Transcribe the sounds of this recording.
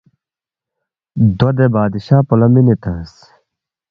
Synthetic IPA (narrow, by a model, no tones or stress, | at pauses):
d̪od̪ebaːd̪iɕaːpulɐminit̪ɐs